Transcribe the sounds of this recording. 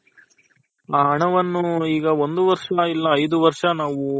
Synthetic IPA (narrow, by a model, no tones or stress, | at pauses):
aːɦɐɳɐʋɐnːuiːɡɐond̪uʋɐɾʂɐilːɐːjd̪uʋɐɾʂɐnaːʋu